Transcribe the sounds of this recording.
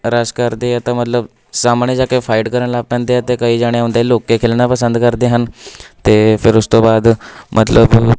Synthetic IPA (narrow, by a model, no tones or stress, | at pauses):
ɾad͡zkaɾd̪ejat̪amət̪ləb | samɳəd͡ʑjakaifajʈkəɾəɳlaːpːãnt̪ejat̪ekaɦiːd͡ʑaɽ̃jaɦũnt̪ailokːekʰelɳ̃japəsənd̪kəɾt̪eɦant̪efeɾust̪obad̪mʔət̪ləb